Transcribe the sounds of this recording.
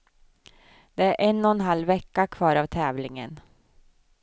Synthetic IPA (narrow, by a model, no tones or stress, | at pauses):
d̪̥ɛæɾʔɛnːɔɛnɦalːvɛkːakʰvɑːɾavt̪ʰɛːvlɪŋə̰n